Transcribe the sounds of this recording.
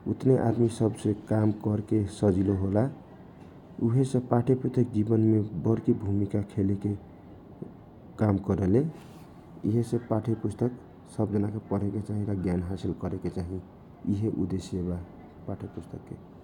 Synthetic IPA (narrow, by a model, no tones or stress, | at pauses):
ut̪neʔa̰d̪misəbsekamkəɾkesəd͡ʒiloɦola | uɦesẽpaʈʰepust̪ʰək̚d͡ʒibənmebəɾkibʱumikakʰeleke | kamkəɾəle | ḭɦesẽpaʈʰepust̪ək | səbd͡ʒənakepəɽ̤eket͡ʃaɦĩɾaɡjanɦasilkəɾeket͡ʃaɦi | iɦeʔud̪eseba | paʈʰepust̪ʰəkːe